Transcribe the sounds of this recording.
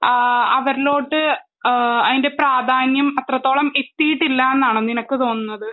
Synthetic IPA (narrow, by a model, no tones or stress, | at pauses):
ɐʋɐɾilo̞ːʈːɨ | ɐðinde̞praːd̪ʱaːnjɐmɐt̪rɐt̪ːo̞ːɭɐme̞t̪ːijiʈːilːaenːaːɳoninɐkːɨt̪o̞ːnːunːɐðɨ